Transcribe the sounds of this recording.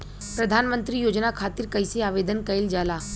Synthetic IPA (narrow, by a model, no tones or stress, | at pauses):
pɾɐd̪ʱaːnmə̃nt̪ɾijoːd͡ʒnakʰaːt̪ɪɾkɐɪseaːʋeːd̪ənkɐɪld͡ʒaːlaː